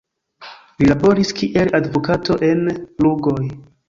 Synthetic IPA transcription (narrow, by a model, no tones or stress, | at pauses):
lilabo̞ɾiskʰiʔe̞ladvokatʰo̞ʔe̞nluɡo̞j